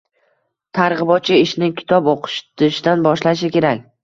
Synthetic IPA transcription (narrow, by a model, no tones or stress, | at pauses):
t̪ʰaɾʁɨbɒt̪̚t͡ʃʰːɪɪʃnɪkʲʰɪ̥t̪ʰɒpoqʰɨ̥ʃt̪ɪʃd̪anbɒʃlaʃ̬ɪkʲe̞ɾakʲ